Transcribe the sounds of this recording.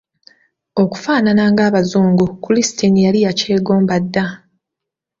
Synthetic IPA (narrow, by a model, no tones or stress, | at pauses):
o̞ku̥faːnanaːŋɡaːβazuːŋɡukulisi̥tinijalijace̞ːɡo̞ːmbadːa